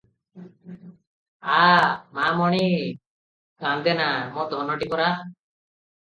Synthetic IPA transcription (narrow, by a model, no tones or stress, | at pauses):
amamɔɽ̃i | kand̪ɛnamɔd̪ʱɔnɔʈikɔɾa